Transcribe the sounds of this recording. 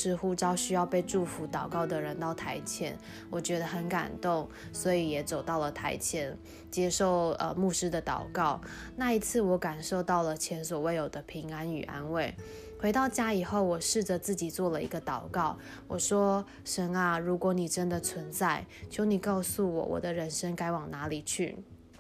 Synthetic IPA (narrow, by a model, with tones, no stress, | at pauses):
ʂɻ̩˧˥xu˥˧ʈ͡ʂɑ˥ʊɕy˥jɑ˥˧ʊpe˥˧ɪʈ͡ʂu˥˩fu˧˥˦t̪ɑ˨˩ʊkɑ˥˩ʊd̪ə˩ɻə˧˦nt̪ɑ˥˩ʊt̪ʰa˧˥ɪt͡ɕʰjɛ̰˧˥n | wɔ˨˩t͡ɕɥɛ˧˥d̪ə˧xə˧˥nka̰˨˩nt̪ʊ˥˩ŋ | swɔ˧˥i˨˥jɛ˨˩t͡so˨˩ʊt̪ɑ˥˩ʊlə˩t̪ʰa˧˥ɪt͡ɕʰjɛ˧˥n | t͡ɕjɛ˥ʂo˥˩ʊə̰˨mu˥˨˩ʂɻ̩˥d̪ə˨t̪ɑ̰˨˩ʊkɑ˥˩ʊ | na˥˩i˧˥t͡sʰɹ̩˥˩wɔ˧˥ka˨˩nʂo˥˧ʊt̪ɑ˥˩ʊlə˩t͡ɕʰjɛ˧˥nswɔ˨˩we˥˩ɪjo˨˩d̪ə˦pʰi˧˥ŋa˦ny˨˩ʔa̰˦˥nwe˥˩ɪ | xwe˧˥ɪt̪ɑ˥˩ʊt͡ɕja˥i˨˩xo˥˩ʊwɔ˨˩ʂɻ̩˥˩ʈ͡ʂə˨t͡sɹ̩˥˩t͡ɕi˨˩t͡swɔ˥˩lə˨˩ḭ˧˥ɡə˧t̪ɑ˨˩ʊkɑ˥˩ʊ | wʔɔ˨˩ʂwɔ˥ | ʂə˧˥na˧ɻu˧˥kwɔ˧˥ni˨˩ʈ͡ʂə˦˥nd̪ə˨t͡sʰwə˧˥nt͡sa˥˩ɪt͡ɕʰjo˧˥ʊni˨˩kɑ˥˧ʊsu˥˩wɔ̰˨˩wɔ̰˨˩d̪ə˦ɻə˧˦˥nʂə˥ŋka˥ɪwɑ˨˩ŋna˧˥li˨˩t͡ɕʰy̰˥˩